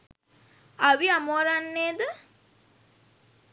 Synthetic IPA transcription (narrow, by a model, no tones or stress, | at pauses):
aʋiamoɾanːeːd̪ə